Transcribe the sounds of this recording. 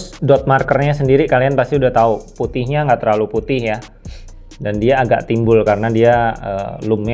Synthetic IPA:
dɔt̪̚markərɲasəndiɾikalianpast̪iudaht̪auput̪ɪɦɲaŋɡaʔt̪əɾlaluput̪ɪhja | dandiaːɡa̰ʔt̪imbʊlkaɾənadiaə̰ːluma

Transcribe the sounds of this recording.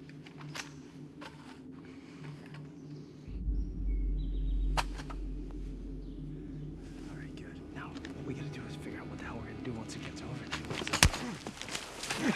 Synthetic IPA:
vɛɹiɡʊd̥naʊwʌt̚wiɡɑɾɨdɨz̥fɪɡjə˞aʊʔ̚wʌt̪̚ðaʊwə˞ɡɨ̃ndɨwɑ̃ntʰɨɡɛtsʰoʊvə˞ðɪ̃s

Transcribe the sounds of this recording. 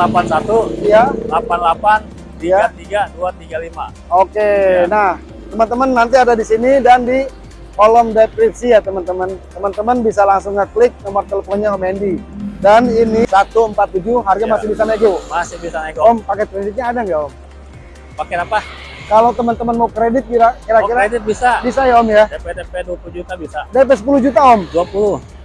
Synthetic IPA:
lapansat̪ujalapanlapan | ijaat̪iɡaduat̪iɡalima̰ | okenah | t̪əmənt̪əmənːant̪̬iadadisinidandi | kolɔmdep̪ɾisijat̪əmənt̪əmənt̪əmənt̪əmənbisalaŋsʊŋŋəklɪk̚nomərt̪eləfonɲaomɛndidaninisat̪uəmpat̪ːud͡ʒuɦarɡamasɪbisanaiɡomasɪhbisanaiɡɔmpakakɾedɪt̪̚ɲaːdaŋɡaɔm | pakɛɾapa | kalot̪əmənt̪əmənmawkɾedɪt̪̚kiɾakiɾakiɾaedɪt̪̚bisabisajaɔmjadpedepɛduapulud͡ʒut̪abisadep̬ɛs̬əp̬uluhd͡ʒut̪aɔmduapulʊ

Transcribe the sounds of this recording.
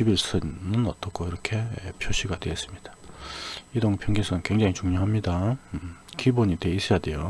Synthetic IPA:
t͡ɕibiɭs͈ʰɯnːɯnʌt͈ʌk͈ʰoiɾʌkʰe̞̰pʰjoɕ͈ʰiɡadeːs͈ɯmɲid̥a | idoŋpʰjʌŋɡisʰɯnkwe̞ŋd͡ʑaŋit͡ɕuŋɲoɦamɲida | kiboɲite̞is͈ʌjade̞jo

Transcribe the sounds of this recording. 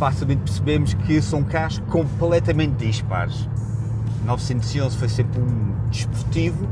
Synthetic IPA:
fasilˠmẽnt̪pɨɾsɨβemuʃkɨsɐ̃wũkaʒkõmplˠɛt̪ɐmẽnt̪̚d̪iʃpa̰ɾʃ | nɔvsẽnt̪uziõzfojsẽmpɾũd̪ɨʃpuɾt̪ivu

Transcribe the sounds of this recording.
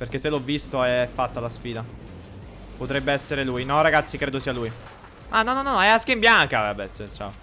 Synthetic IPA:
perk̟esːelɔvːist̪oɛfːat̪ːalasfiːd̪a | pot̪ɾɛbːeɛsːeɾelujnɔraɡat̪sːikɾeːd̪osiːaluj | ʔanɔnɔnɔnɔɛaŋkeimbjaŋkavɛbɛsːet͡ʃa̰o

